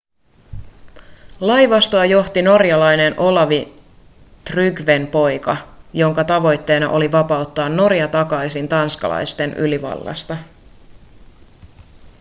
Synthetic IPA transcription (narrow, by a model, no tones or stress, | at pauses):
lɑjʋɑst̪oɑjo̞ht̪ino̞rjɑlɑjnenʔo̞lɑʋi | t̪ryɡʋenpo̞jkɑjo̞ŋkɑt̪ɑʋo̞jt̪ːe̞ːnɑʔo̞liʋɑpɑut̪ːɑːnːo̞ɾjɑt̪ɑkɑjsint̪ɑnskɑ̰lɑ̰jst̪e̞nʔy̰liʋɑ̰lːɑ̰st̪ɑ